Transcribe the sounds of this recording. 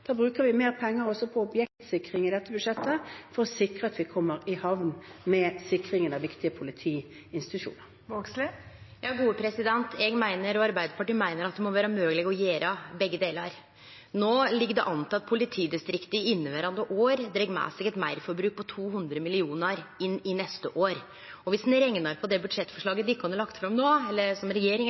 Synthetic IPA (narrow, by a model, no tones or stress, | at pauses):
d̪̥ɑːbɾʉːkəʋɪmeːʁpʰɛŋːəɾɔsɔpʰɔʊbjɛk̚t̪sɪkɾɪŋɪd̪ɛt̪ːəbʉʂɛt̪ːəfɔɾɔsɪkɾəɑt̪ʋɪkʰɔmːəɾɪhɑʋnmɛsɪkɾɪŋənɑʋɪkt̪ɪəpʰʊlɪt̪ʰiː | ɪnst̪ɪ̥t̪ʉʃṵːnəɾoːkslɪjɑːɡuːəpʰɾɛsɪd̪ɛnt̪ʰɛɡmæɪnəɾɔɑɾbæɪd̪əpʰɑʈiːmæɪnəɾɑt̪̚d̪ɛmɔʋæːɾəmøːɡəlɪɡɔjeːɾəbɛɡːəd̪eːləɾ | noːlɪɡəd̪ɛ̰ʔɑnt̪ʰɑt̪̚pʰʊlɪt̪ʰiːd̪ɪst̪ɾɪkt̪əɪɪnːəʋæɾɑnd̪əʔoːɾd̪ɾɛɡmæ̰ːsɛɡɛt̪mæɪɾfɔɾbɾʉːk̚pʰɔt̪ʰuːɦʉnd̪ɾəmɪlɪuːnəɾɪnːɪnɛst̪əʔoːɾ | ɔʋɪsn̩ɾɛŋnəɾpʰɔd̪ɛbʉd̪ʂɛt̪ːfɔʂɭɑːɡəd̪ɪɪkːkʰɑnɑlɑkt̪fɾɑmnoːɛlːəsɔmɾɛjeːɾɪŋ